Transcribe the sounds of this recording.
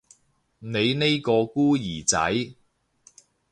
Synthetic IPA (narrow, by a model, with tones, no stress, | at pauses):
ne˨˧jne˥jkɔː˧kuː˥jiː˨˩t͡sɐ̰˨˥j